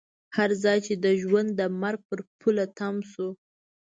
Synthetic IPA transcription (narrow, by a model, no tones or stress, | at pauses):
haɾzɑjt͡ʃed̪əʒwand̪ːəmaɾɡ̚pəɾpʰulat̪amsu